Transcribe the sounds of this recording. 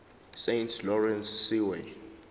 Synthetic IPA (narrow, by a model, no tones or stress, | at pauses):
sentʰlɔɹɛ̃nsːiwe